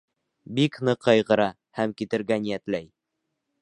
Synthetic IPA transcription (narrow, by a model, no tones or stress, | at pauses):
biknɤqːɑjʁɤ̆ɾɑ | hæmkit̪ɘ̆ɾɡænijæt̪læj